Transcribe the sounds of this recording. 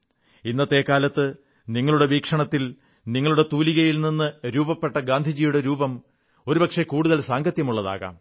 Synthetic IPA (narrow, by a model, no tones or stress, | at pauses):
inːɐt̪ːe̞ːkːaːlɐt̪ːɨ | niŋːɐɭuɽe̞ʋiːkʂɐɳɐt̪ːil | niŋːɐɭuɽe̞t̪uːliɣɐjilninːɨɾuːbɐpːe̞ʈːɐɡaːnd̪ʱid͡ʑijuɽe̞ɾuːbɐm | o̞ɾubɐkʂe̞kuːɽuðɐlsaːŋɡʱɐt̪jɐmuɭːɐða̰ːɣa̰ːm